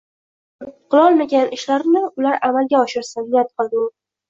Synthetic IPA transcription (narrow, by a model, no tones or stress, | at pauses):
qʰɨlˠɒlˠmaɡʲanɪʃlaɾnɪʊlaɾamalˠɡʲaɒʃɪɾsanat̪̚qʰɨlˠd̪ɪʊ